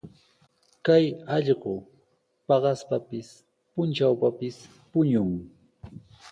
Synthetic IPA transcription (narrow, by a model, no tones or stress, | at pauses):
kajɑʎɢʊ | pɑɢɑspapɪs | pʊnt͡ʃawpapɪs | pʊɲʊŋ